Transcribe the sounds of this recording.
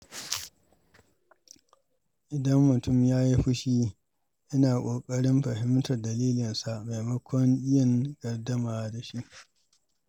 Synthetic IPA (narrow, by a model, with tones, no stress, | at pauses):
ʔɪ˨dɐ˦mːʊ˨tʊ˦˨mjaː˦ji˦ɸɪ˦ʃiː˦ | ʔɪ˦naː˨kʷʼoː˨kʼɐ˦ɽɪ˦mɸɐ˨hɪ˦mtɐ˨rdɐ˨liː˦lɪ˨nsa˨ʔma˨jmɐ˦kʷɔ˦ŋʔɪ˦jɐ˨ŋɡ̥ɐ˨rdɐ˦maː˨da˨ʃi˦ʔ